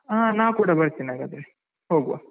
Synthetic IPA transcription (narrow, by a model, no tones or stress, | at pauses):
aːnaːʋkuːɽɐbɐɾt̪iːniaːɡaːd̪ɾe | hoːɡuʋa̰